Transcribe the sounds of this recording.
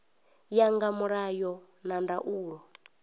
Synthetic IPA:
jaŋɡamuɾajɔ | nandaʔuːɺɔ

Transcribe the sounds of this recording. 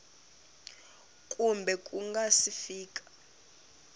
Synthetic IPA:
kʼumbʱɛkʼuŋɡasifiːk̬ʼḁ

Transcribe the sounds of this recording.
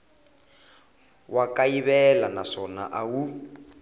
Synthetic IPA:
wakaiβɛlanaʂɔna̰ʔawu

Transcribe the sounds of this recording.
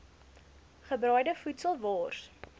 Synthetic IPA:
χəbrœɥdəfutsəlˠvɑːrs

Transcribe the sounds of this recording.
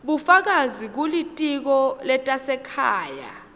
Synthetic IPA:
ɓufak̬azik̬ulitʼik̬ɔlɛtʼasɛkʰaːja̰

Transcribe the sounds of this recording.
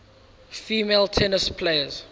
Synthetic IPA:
fiːmeltʰɛnəspʰleɪəz̥

